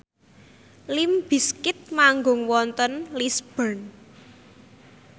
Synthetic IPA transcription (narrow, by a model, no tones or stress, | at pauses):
limb̥i̤skɪt̪̚maŋɡʊ̤ŋwɔnt̪ɔnlisb̥ən